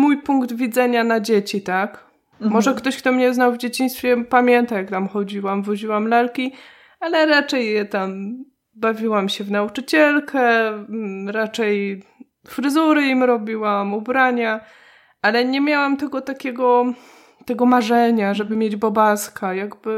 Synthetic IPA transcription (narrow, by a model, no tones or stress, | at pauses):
mujpuŋkd̪vʲid̪zɛɲanad͡ʑet͡ɕit̪ak | mɔʐɛkt̪ɔɕk̚t̪ɔmɲɛznawvd͡ʑet͡ɕiɲ̃st̪fʲjɛpamʲjɛnt̪ajakt̪amxɔd͡ʑiwamvuʑiwamlalkʲi | alɛɾat͡ʂɛjːɛt̪am | bavʲiwamɕɛvnaut͡ʂɘt͡ɕɛlkʰɛ | ɾat͡ʂɛj | fɾɘzuɾɘimɾɔbʲiwamubɾaɲa | ʔalɛɲɛmʲjawamt̪ɛɡɔt̪akʲɛɡɔ | t̪ɛɡɔmaʐɛɲaʐɛbɘmʲjed͡ʑbɔbaskajaɡbɘ